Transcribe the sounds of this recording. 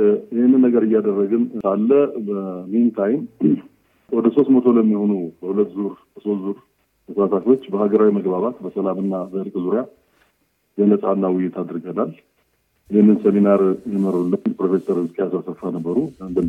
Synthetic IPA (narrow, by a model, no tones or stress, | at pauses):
jɪhɪnːɨnːəɡəɾɨjːad̪ərːəɡɨnalːəbəmint̪ʰajɪn | wɔd̪əso̞st̪mət̪ʰo̞ləmːiho̞nubəhulət̪ːzuɾbəso̞st̪zuɾ | t̪ʰəsasafʲo̞t͡ʃːbəhaɡəɾawiməɡbaβat̪bəsəlamɨnːabəɨlkʼzuɾja | ɡələsʼanːawʊjːɪt̪ʰad̪ɾɨɡənal | jɪhɪnːɨnsəminaɾjɛməɾulːənpʰɾo̞fe̞səɾhɨzkʼejasasəfːanəbːəɾunb̪ə